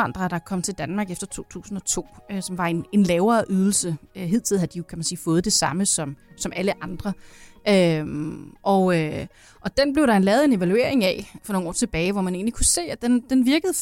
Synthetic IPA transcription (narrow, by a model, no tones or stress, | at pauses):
ɑ̈n̰d̥ʁɐd̥ɑ̈kʰɒ̽m̰t͡sʰe̝ld̥ænmɑ̈ːɡ̥efd̥ɐt͡sʰo̝̰ːt͡sʰṵːsn̩ɒ̽t͡sʰo̝̰ːøsɒ̽mʋɑ̈e̝ne̝nlɛːʊɐːʔyð̞ˠl̩səøɦe̝ð̞̰ˠt͡sʰið̰̩ˠhæd̥ijo̝kʰæmænsiːfɔ̽ːð̞̩ˠd̥e̝sɑ̈məsɒ̽msɒ̽mæləʔɑ̈nd̥ʁɐʔømʔɒ̽ʊø | ʔɒ̽d̥enb̥le̝ʊɾ̥ɑ̈enlɛːʊðˠe̝ne̝ʋælue̝̰ɐe̝ŋɛfɒno̝ːŋɒ̰ːt͡sʰe̝b̥ɛːɪʋɒmæne̝̰ːnlikʰuse̝̰ːæd̥end̥enʋiɐɡ̥ð̞̩ˠ